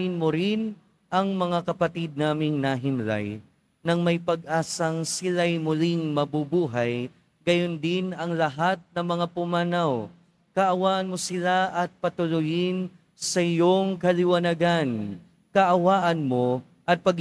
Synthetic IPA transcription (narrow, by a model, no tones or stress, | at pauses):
jɪnmoɾɪn | ʔɐŋmɐŋakɐpɐt̪id̪̚naːmɪŋnaɦɪmla̰j | nɐŋmɐjpɐɡ̚ʔaːsɐŋsɪlajmʊlɪŋmɐbubuːɦaj | ɡɐjond̪ɪnɐŋlɐɦat̪̚nɐŋmɐŋapʊmaːnaw | kɐʔɐwaːʔɐnmosɪlaʔɐt̪̚pɐt̪ʊlʊjɪn | sɐɪjoŋkɐlɪwɐnɐɡan | kɐʔɐwaːʔɐnmo | ʔɐt̪̚pɐɡ